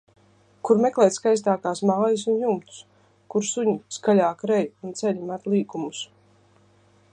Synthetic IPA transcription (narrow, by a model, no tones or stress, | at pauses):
kuɾmɛklˠɛjt̪skajs̬t̪aːkaːsmaːjisunjumt̪u̥s | kuɾsuɲiskalʲaːkɾɛjunt̪sɛʎʲimat̪lˠiːkumus